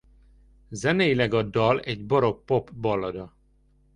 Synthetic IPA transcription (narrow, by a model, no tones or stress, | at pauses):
zɛnɛjilɛɡɒd̪ːɒlɛɟboɾo̞k̚po̞pbɒlːɒd̪ɒ